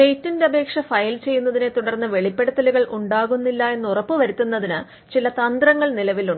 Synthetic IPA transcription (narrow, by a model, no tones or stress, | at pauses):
e̞jtːinde̞ɐbʱe̞ːkʂɐfɐjlt͡ɕe̞jːunːɐðine̞t̪uɽɐrnːɨʋe̞ɭipːe̞ɽut̪ːɐliɣɐɭʔuɳɖaːɣunːilːɐe̞nːurɐpːɨʋɐɾit̪ːunːɐðinɨ | t͡ɕilɐt̪ɐnd̪rɐŋːɐɭnilɐʋiluɳɖɨ